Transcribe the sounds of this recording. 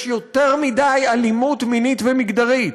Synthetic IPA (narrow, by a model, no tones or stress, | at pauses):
ʃjo̞teʁmidajalimutminitvemiɡd̪aʁit̪